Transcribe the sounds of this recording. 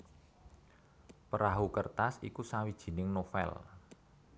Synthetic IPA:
pəɾaɦukərt̪asikusawid̥ʒ̥i̤nɪŋnofɛ̰l

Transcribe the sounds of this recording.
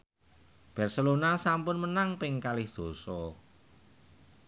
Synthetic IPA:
b̥ɛ̤rsəlonasampʊnmənaŋpɪŋkalɪhd̪̥o̤sɔ

